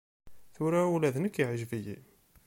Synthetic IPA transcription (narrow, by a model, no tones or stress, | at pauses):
θʊɾæulæðnəkːiʕʒviji